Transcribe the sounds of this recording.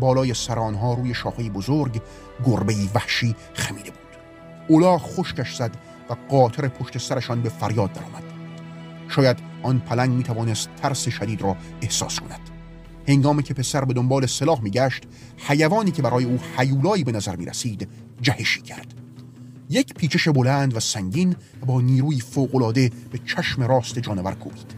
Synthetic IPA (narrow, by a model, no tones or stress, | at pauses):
bɒːlɒːjesæɾeːnɦɒːɾuːje̞ʃɒːfejibozoɾɡ | ɡoɾbe̞iːvæhʃiː | xæmiːd̪e̞bu̥ːd̪̥ | olɒːχoʃcæʃz̥æd̪ | væɡɒːt̪ʰeɾe̞pʰoʃt̪e̞sæɾeʃɒːnbe̞fæɾjɒːd̪̚ːæɾɒ̰ːmæd̪̥ | ʃɒːjæd̪ | ʔɒːnpʰælæŋɡmiːt̪ʰævɒːnest̪ʰːæɾseʃæd̪iːd̪ɾɒː | e̞hsɒ̰ːskʰonæd̪̥ | he̞ŋɡɒːmicʰe̞pʰe̞sæɾbe̞d̪ombɒːle̞selɒːhmiːɡæʃt̪ | hæjævɒːniːkcʰe̞bæɾɒːje̞uːhæjuːlɒːiːbe̞næzæɾmḭːɾæ̰siːd̪ | d͡ʒæheʃiːcʰæɾd̪̥ | jecʰpʰiːt͡ʃʰe̞ʃebo̞lænd̪væsæŋɟiːn | æbɒːniːɾuːjiːfoːɣolɒːd̪e̞b̥e̞t͡ʃʰæʃme̞ɾɒːst̪e̞d͡ʒɒːne̞væ̰ɾkʰṵːbiːd̪̥